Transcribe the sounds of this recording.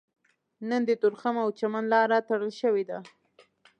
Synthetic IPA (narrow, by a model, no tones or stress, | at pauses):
nənd̪ət̪ʊɾxamawt͡ʃamanlɑɾat̪aɽəlʃəwed̪a